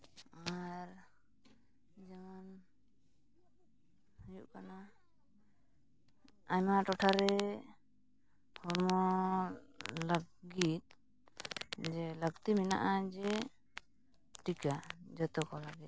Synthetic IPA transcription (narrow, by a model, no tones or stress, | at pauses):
aɾ | d͡ʒɛman | həjuʔkana | aɲmaʔʈɔʈʰaɾɛ | pʰɔɾmɔ | ləɡɡit̪̚ | d͡ʒɛləɡt̪imina̰ʔad͡ʒɛ | ʈʰikad͡ʒət̪ɔkɔlaɡit̪̚